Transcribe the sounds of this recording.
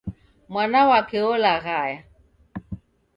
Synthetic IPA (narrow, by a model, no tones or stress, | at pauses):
mwanawakɛɔlaɣaja